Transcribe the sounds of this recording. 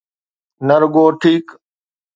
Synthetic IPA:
nəɾɡoːʈʰiːk

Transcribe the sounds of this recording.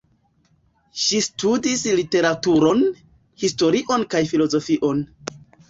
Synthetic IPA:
ʃistudislite̞ɾatuɾo̞n | histo̞ɾiʔo̞nkajfilo̞zo̞fiʔo̞n

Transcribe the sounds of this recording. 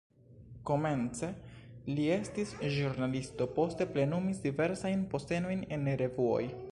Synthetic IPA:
ko̞me̞nt͡se̞lie̞stisʒuɾnalisto̞po̞ste̞ple̞numisdive̞ɾsajnpo̞ste̞no̞jne̞nɾe̞vuo̞̰j

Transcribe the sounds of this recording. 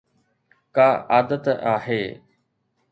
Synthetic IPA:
kaːʔaːd̪ət̪aːɦeː

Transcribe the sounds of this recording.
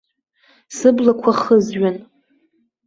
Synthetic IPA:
sɨblakʷʰaχəzɥan

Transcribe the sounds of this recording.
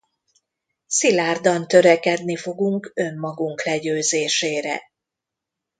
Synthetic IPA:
silaːrd̪ɒnt̪ø̞ɾɛkɛd̪nifo̞ɡuŋkø̞mːɒɡuŋklɛɟøːzeːʃeːɾɛ̰

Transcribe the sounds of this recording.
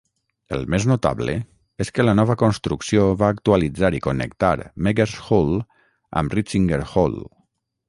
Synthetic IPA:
ḛlˠmeznot̪a̰βlḛ | eskələnɔβəkonst̪ɾuksioβaːk̚t̪ualid͡zaɾikonḛkt̪aɾmeɡeɾsxol | ə̰mrit͡siŋɡeɾxo̰l

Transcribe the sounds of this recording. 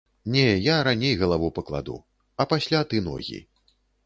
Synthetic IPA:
nʲɛjaɾanʲejɣɐlˠavupɐklˠa̰d̪ṵ | ɐpasʲlʲat̪ɨnɔ̰ɣʲḭ

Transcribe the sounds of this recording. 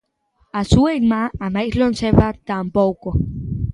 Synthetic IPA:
asuejmaamajslonseβat̪ampowko

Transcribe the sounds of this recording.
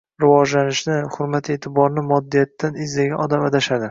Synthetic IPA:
ɾɪvɒd͡ʒlanɪʃnɪχʊɾmat̪ʰe̞t̪ʰɪbɒɾnɪmɒd̪ːijat̪ːanɪzlaɡʲanɒd̪amad̪aʃad̪ɪ

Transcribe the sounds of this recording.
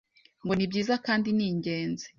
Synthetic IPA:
ŋɡo̞nibɟiːzakaːndiniːɲɟe̞ːnze̥

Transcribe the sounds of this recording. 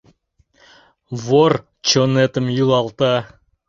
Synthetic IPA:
vor | t͡ʃonet̪ə̆mjulˠɑlˠt̪ɑ

